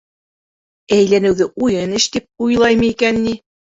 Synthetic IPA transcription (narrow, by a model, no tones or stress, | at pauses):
æjlænɘ̆wðɘʔujɤnɘʃt̪ip̚ujlˠɑjmɤ̆ikænːi